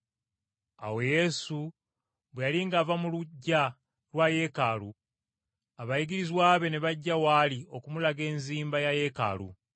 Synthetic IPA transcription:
a̰we̞je̞su | βwe̞jaliŋɡaːvamuluɟːa | lwaje̞kalu | aβajiɡiɾizwaːβe̞neβaɟːawaːlio̞kumulaɡe̞ːnziːmbajaje̞ka̰ːlṵ

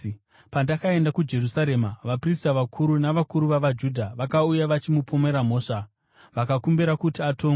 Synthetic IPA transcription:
pandakae̞ndakud͡ʒe̞rusaɾe̞ːmaʋapristaʋakʰuɾunaʋakuɾuʋaʋad͡ʒudʱaʋakaujaʋat͡ʃimupome̞ɾam̤o̞ːʂa | ʋakakumbiɾakutiatʰo̞ːŋɡ

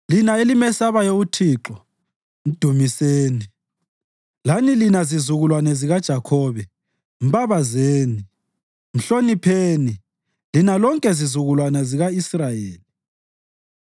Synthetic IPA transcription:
linaelimɛsaβajoutʰiːǁɔ | m̩d̥ʱumiseːni | lanilinazizuɣulwanɛziɣad̥ʒ̥ʱakʰɔːβɛ | m̩baβazeːni | m̩ɬonipʰeːni | linalɔŋkʼɛzizuɣulwanɛziɣaisrajeːli

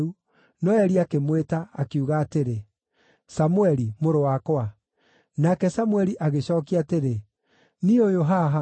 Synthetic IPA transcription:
u | nɔɛɾiakemwetaːkiuɣaːteɾe | samuɛɾimoɾowakwa | nakɛsamuɛɾiʔaɣeɕɔːkiateɾe | niojoɦaɦa

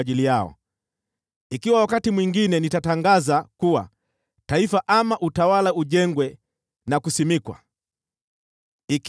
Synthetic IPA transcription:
ʄilijaɔ̰ | ikiwawakatimwiŋɡinɛnitataŋɡazakuwa̰ | taifaʔamaʔutawalauʄɛŋɡwɛ | nakusimikwa̰ | ik

